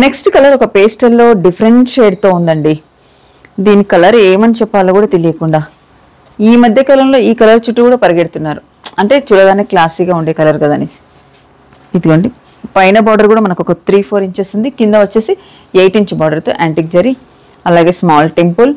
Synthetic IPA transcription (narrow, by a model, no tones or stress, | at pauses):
neksʈkɐlɐɾɔkɐpe̞ːsʈɐlːo̞ːɖipʰɐɾenʃe̞ːɖt̪o̞ːund̪ɐɳɖi | d̪iːnikɐlɐɾeːmɐnit͡ʃɛpːaːlɐkuːɽaːt̪elijɐkuɳɖaː | iːmɐd̪ʱjɐkɐlɐmlo̞ːiːkɐlɐɾt͡ʃuʈːukuːɽaːpɐɾɐɡeɽut̪unːaːɾu | ɐɳʈe̞ːt͡ʃuːɽɐɡaːneːklaːsiːɡaːuɳɖeːkɐlɐɾkɐd̪ani | id̪uɡɐɳɖi | pɐjnɐbaːɾɖɐɾkuːɽaːmɐnɐkɔkɐt̪ɾiːpʰo̞ːɾiɲt͡ʃe̞ːsund̪ikind̪ɐʋɐt͡ʃːe̞ːsi | jɐjʈiɲt͡ʃbaːɖɐɾt̪oːʔaːɳʈik̚d͡ʒɐɾi | ɐlaːɡe̞ːsmaːlʈempul